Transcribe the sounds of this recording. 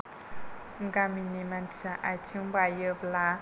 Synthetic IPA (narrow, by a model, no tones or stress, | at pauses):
ŋɡaminimantʰaʔajtʰibajəbla